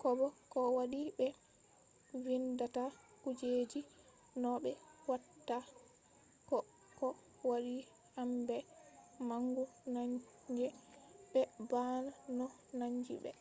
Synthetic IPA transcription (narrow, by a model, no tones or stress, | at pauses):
kɔbɔkɔwaɗibɛ | windata | kud͡ʒed͡ʒi | nɔɓɛwatːa | kɔ | kɔ | waɗi | hambɛmaŋɡunaɲ | d͡ʒɛɓɛbananɔ | naɲd͡ʒḭɓɛ̰